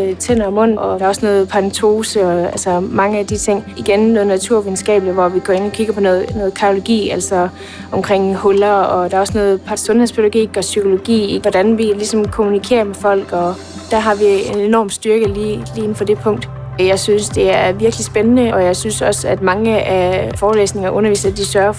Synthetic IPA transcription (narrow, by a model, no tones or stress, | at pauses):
t͡sʰen̰ɐmɔ̽n̰ɒ̽d̥ɑ̈ɒ̽snɔːð̩ˠpʰɑʁnt͡sʰo̝ːsəɒælsɐmɑ̈ŋəæd̥it͡sʰe̝ŋ̰iɡ̥ennːɔːð̩ˠnæt͡sʰuɐ̰ʋiðˠn̩sɡ̥ɛ̰ːb̥liʋɒʋiɡ̥ɒ̰ːe̝n̰ɒ̽kʰiɡ̥ɐpʰɒ̽nɔːð̩ˠnɔ̽ːð̩ˠkʰæo̝lo̝ɡ̥ḭːæl̰sɒ | ʔɒ̽mkʰʁeŋ̰hɔlɐɒ̽d̥ɑɐɒ̽snɔːð̩ˠpʰɑ̥sɔ̽nheðˠspʰydɡ̥ḭɡ̥ɒ̽sykʰo̝lo̝ɡ̥ḭːʋɒɾ̥ænʋilisɒ̽mkʰo̝munikʰe̝̰ːɐmefɒ̽l̰ɡ̥ɒ | d̥æɦɑ̈ʋienenɒ̰ːmsd̥ɶɐɡ̥əliːliːe̝n̩fɒd̥e̝pʰɔ̽ŋ̰d̥ | jɑ̈ɪsynsd̥e̝æɐʋiɐɡ̥lisb̥enənəɒ̽jɑ̈ɪsynsɒ̽sæd̥mɑ̈ŋəæfɒːlḛːsne̝ŋɐʔɔ̽nɐʋḭːsɐd̥isɶɐf